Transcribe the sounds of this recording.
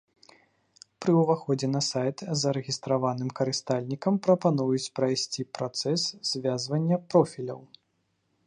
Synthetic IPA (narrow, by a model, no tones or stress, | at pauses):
pɾɨwvaxɔd͡zʲɛn̪ɐsajt̪zɐɾɛɣʲist̪ɾavanɨmkɐɾɨst̪alʲnʲikɐmpɾɐpanujut͡sʲpɾajsʲt͡sʲipɾat̪sɛsz̥ʲvʲazvɐnʲːɐpɾɔfʲilʲɐ̰w